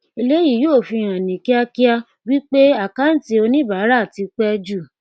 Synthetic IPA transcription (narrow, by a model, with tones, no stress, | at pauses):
e˧le˦ji˦˨joː˦˨fi˧j̃ã˨nĩ˨ki˦a˧ki˦a˧ | wi˦k͡pe˦a˨ka˦n̩˦ti˧o˧nĩ˦ba˨˦ɾa˦˨ti˧k͡pɛ˦d͡ʒu˦˨